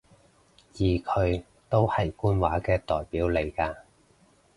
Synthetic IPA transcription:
jiː˨kʰɵ˨˧ɥ | t̪o˥whɐ˨jkuː˥nwaː˨˥kɛː˧t̪ɔː˨˩jpiː˨˥wle˨˧jkaː˧

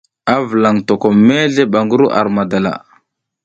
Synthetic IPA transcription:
a˦və˨la˨ŋto˨ko˨me˦ɮe˦ɓa˨ŋɡu˦ɾu˦ʔa̰˨ɾma˨da˨la̰˨

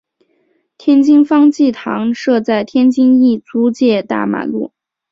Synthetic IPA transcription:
t̪ʰjɛ˥nt͡ɕi˥ŋfɑ˥ŋt͡ɕi˥˩t̪ʰɑ˧˥ŋʂɤ˥˧t͡sa˥˩ɪt̪ʰjɛ˥nt͡ɕi˥ŋi˥˩t͡su˧˥t͡ɕjɛ˥˧t̪a̰˥˩ma̰˨˩lṵ˥˩

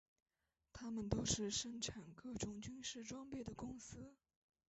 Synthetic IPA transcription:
t̪ʰa˥mə˨nt̪o˥ʊʂɻ̩˥˧ʂɤ˥˩ŋʈ͡ʂʰa˨˩nkɤ˥˩ʈ͡ʂʊ˨˧˥ŋt͡ɕy˥nʂɻ̩˥˩ʈ͡ʂwɑ˥ŋpe˥˩ɪd̪ə˩kʊ˥ŋsɹ̩˥

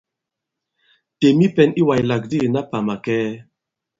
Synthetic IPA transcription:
te˨mi˦pɛ˦ni˦wa˨jla˨k̚di˦˨na˦pa˨ma˨kɛː˦

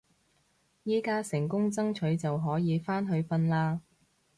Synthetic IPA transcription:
jiː˥kaː˥sɪ˨˩ŋkʊ˥ŋt͡sɐ˥ŋt͡ʃʰɵ˨˧˥ɥt͡sɐ˨wɦɔː˨˥jiː˨˧faː˥nɦɵ˨˧ɥfɐ˧nlaː˧

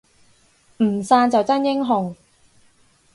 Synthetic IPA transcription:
m̩˨˩saː˧nt͡sɐ˨wt͡sɐ˥njɪ˥ŋɦʊ˨ŋ

